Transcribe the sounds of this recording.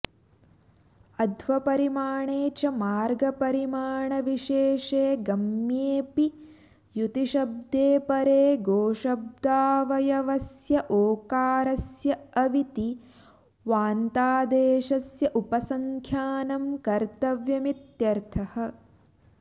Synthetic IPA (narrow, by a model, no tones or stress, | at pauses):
ɐd̪ʋɐpɐɾimaːɳeːt͡ʃɐmaːɾɡɐpɐɾimaːɳɐʋiʃeːʃeːɡɐmjeːpi | jut̪iʃɐb̚d̪eːpɐɾeːɡoːʃɐb̚d̪aːʋɐjɐʋɐsjɐʔoːkaːɾɐsjɐɐʋit̪i | ʋaːnt̪aːd̪eːʃɐsjɐʔupɐsɐŋkʰjaːnɐmkɐɾt̪ɐʋjɐmit̪jɐɾt̪ʰɐhɐ̆